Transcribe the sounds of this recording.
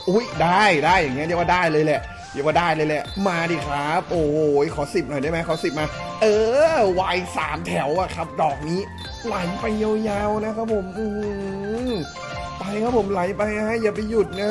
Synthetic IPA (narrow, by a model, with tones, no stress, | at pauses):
ʔu˦˥˩jdaː˥˩jdaː˥˩jːa˨˩ŋːi˦˥d̪ʰi˦waː˧˩daː˥˩jlɤː˧jlɛ˨˩ʔ | d̪i˧˩waː˧˩daː˥˩jlɤː˧jlɛ˨˩ʔmaː˧diː˨˩kʰaː˨˦˥p̚ʔo˨˩˨jkʰɔː˩˦si˨˩p̚nɔ˨˩jdaː˥˩jma˦˥kʰɔː˨˦si˨˩p̚maː˧ | ʔɤː˧waː˧jsaː˩˦mt̪ʰɛ˩˦wa˨˩kʰɾa˦˥p̚dɔː˨˩k̚niː˦˥ | la˨˦jpa˧jːa˧wjaː˧wna˦˥kʰa˦˥pʰo˨˩˦mʔɯː˧˩˧ | pa˧jkʰa˦˥pʰo˨˩˦mla˨˦jpa˧jna˦˥a˦˥jaː˨˩p̬a˧jːu˨˩t̪̚na˦˥